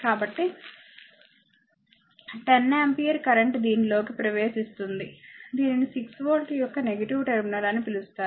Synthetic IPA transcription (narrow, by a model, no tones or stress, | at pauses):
kaːbɐʈːi | ʈenːempijɐɾkɐɾɐɳʈd̪iːnilo̞ːkipɾɐʋeːʃist̪und̪id̪iːninisiksʋoːlʈijɔkːɐneɡɐʈiʋʈeɾminɐɾɐnipilust̪aːɾ